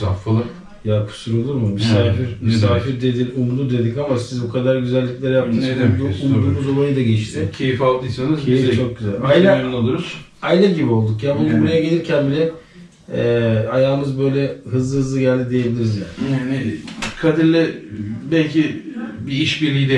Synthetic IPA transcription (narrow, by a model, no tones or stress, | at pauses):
affalˠɯ | jakʰu̥suɾolˠuɾmumysaːfiɾmysaːfiɾd̪e̞d̪inumlˠud̪e̞d̪ikamasizbukʰad̪aɾɟyzælʲːiclʲæɾjap̚t̪ʰɯmd̪uumd̪ˠumuzolˠajɯd̪aɟɛt͡ʃt̪ʰɪcʰe̞jifalˠd̪ɯjsanɯzejift͡ʃʰo̞k̚ɟyzælʲajlʲaonunolˠuɾuz̥ | ajlʲaɟibio̞lˠd̪ukjabunubuɾajaɡelʲiɾcʰænbilʲɛ | ɛajaːɯmɯzbø̞jlʲɛɦɯzlˠɯhɯzlˠɯɟælʲd̪id̪e̞jebilʲiɾizja̰ːnanɪkʰad̪iɾlʲɛbɛlʲcʰibiiʃbiɾlʲijd̪ɛ